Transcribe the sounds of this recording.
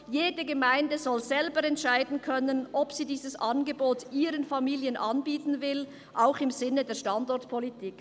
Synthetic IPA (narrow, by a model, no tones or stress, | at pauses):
jeːdəɡəmaɪndəzɔlzɛlbəɾɛntʃaɪdn̩kʰœnənʔɔpsiːdiːzəsʔɑnɡəboːtʔiːɾənfamiːljənʔɑnbiːtn̩vɪl | ʔaʊxɪmzɪnədeːɐʃtɑndɔɐtpʰɔlitʰiːk